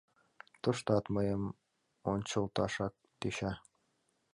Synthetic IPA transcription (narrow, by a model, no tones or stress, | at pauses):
t̪ŏʃt̪ɑt̪mɤjɤm | onʲt͡ɕŏlˠt̪ɑʃɑk̚d̪̥eɕæ